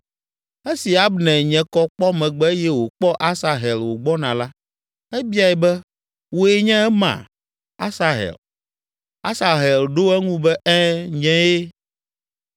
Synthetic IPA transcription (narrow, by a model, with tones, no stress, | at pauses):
e˦si˨a˨bnɛ̃˨ɲɛ̃˨kɔ˦k͡pɔ˦mɛ̃˨ɡ͡bɛ˦jɛ˦wo˨k͡pɔ˦ʔa˦sa˨ɦe˨lwo˨ɡ͡bɔ˦nã˨la˦ | ɛ˦bi˦a˦jɛ˨bɛ˦ | wo˨ɛ˨ɲɛ̃˦ɛ˦mã̰˨ | a˦sa˨ɦḛ˨l | a̰˦sa˨ɦe˨lɖo˦ɛ˦ŋũ˦bɛ˦ʔɛ˦ɲɛ̃˦je˦